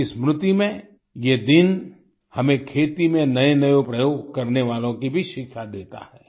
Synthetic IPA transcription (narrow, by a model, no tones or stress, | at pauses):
ismɾʊt̪imẽ | jed̪ɪn | hɐmẽkʰeːt̪imẽnɐenɐjopɾɐjoːɡkɐɾneʋaːlõkibʱiʃɪkʃad̪eːt̪a̰hɛː